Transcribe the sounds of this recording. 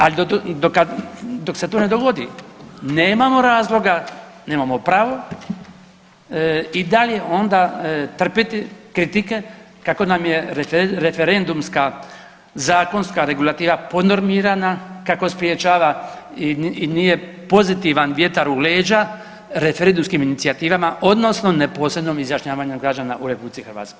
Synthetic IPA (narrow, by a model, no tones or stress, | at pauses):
alid̪od̪okad̪o̞kse̞t̪oːne̞d̪oɡo̞d̪ḭneːmamo̞ɾaːzlˠo̞ɡa | ne̞ːmamopɾaːʋo̞ | id̪aljeond̪at̪r̩pit̪ikɾit̪ike̞ | kako̞namje̞ɾeɾefeɾend̪umska | zaːko̞nskaɾe̞ɡulˠat̪iːʋapo̞no̞ɾmiɾanakako̞spɾiet͡ɕaːʋa | nije̞ | po̞zit̪iʋanʋje̞t̪aɾule̞ːd͡ʑa | ɾe̞feɾend̪umskiminit̪siat̪iːʋamaʔo̞d̪no̞sno̞nepo̞sɾe̞bnomizjaʃɲaːʋaːɲeɡɾad͡ʒaːna̰ʔuɾepublit̪sixɾʋa̰ːt̪koj